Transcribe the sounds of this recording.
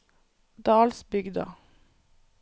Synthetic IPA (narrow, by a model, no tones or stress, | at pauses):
d̪ɑːlsbʏɡd̪ɑ̰